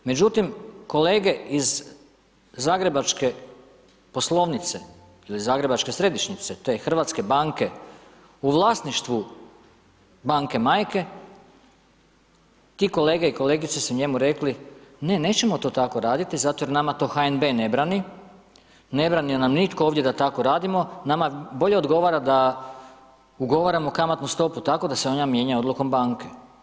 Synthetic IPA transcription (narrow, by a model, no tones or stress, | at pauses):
me̞d͡ʑut̪imko̞le̞ːɡe̞iz | aːɡɾe̞bat͡ʃke̞ | po̞slˠo̞ʋnit̪se̞ | ilizaːɡɾe̞bat͡ʃke̞sɾe̞d̪iʃɲit̪se̞t̪e̞xr̩ʋat̪ske̞baːŋke̞ | uʋlˠaːsniʃt̪ʋu | baːŋke̞maːjke̞ | t̪iko̞le̞ːɡeiko̞leɡit̪sesuɲemuɾe̞kline̞ne̞ːt͡ɕe̞mo̞t̪o̞ːt̪ako̞ɾaːd̪it̪izat̪oje̞ɾnamat̪o̞ːxaenbe̞ne̞bɾani | ne̞bɾanienamnit̪kooːʋd̪ʲje̞d̪at̪ako̞ɾaːd̪imo̞namabo̞ʎeo̞d̪ɡo̞ʋaɾad̪a | uɡo̞ʋaɾamokamat̪nust̪o̞put̪ako̞d̪aseo̞namje̞ːɲao̞d̪luko̞mbaːŋke